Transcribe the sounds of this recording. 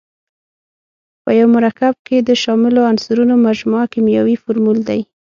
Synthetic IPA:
pəjawmʊɾakab̚ked̪əʃɑmɪloansuɾunomaʒmɑakimjawifʊɾmuld̪aj

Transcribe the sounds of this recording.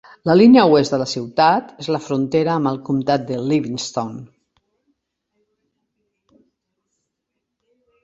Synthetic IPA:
ləlinəuweztd̪ələsiwt̪at̪ezləfɾunt̪eɾəːməlˠkumt̪at̪̚d̪əliβinst̪on

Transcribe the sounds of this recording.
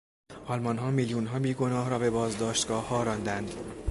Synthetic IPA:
ʔɒlmɒnɦɒːmiljunɦɒːbiːɡo̞nɒːɦɾɒːbe̞bɒːzd̪ɒːʃt̪ɡɒːhːɒːɾɒnd̪ænd̪

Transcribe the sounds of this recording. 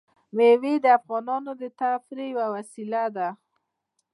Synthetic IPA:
mewed̪əafɣɑnɑnod̪ət̪afɾejwawasilad̪a

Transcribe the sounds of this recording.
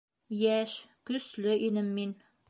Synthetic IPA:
jæʃkɵ̆slɘʔinɘmːin

